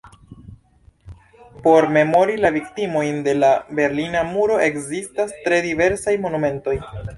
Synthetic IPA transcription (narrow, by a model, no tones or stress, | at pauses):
po̞ɾme̞mo̞ɾilaviktimo̞jnde̞labe̞ɾlinamuɾo̞ʔe̞kzistastɾe̞dive̞ɾsajmo̞nume̞nto̞j